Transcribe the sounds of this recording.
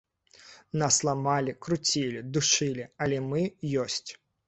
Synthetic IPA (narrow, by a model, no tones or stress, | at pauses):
naslˠamalʲikɾut͡sʲilʲid̪uʂɨlʲialʲɛmɨjɔsʲt͡sʲ